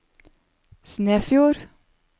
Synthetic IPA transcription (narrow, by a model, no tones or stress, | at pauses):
sneːfjuːɾ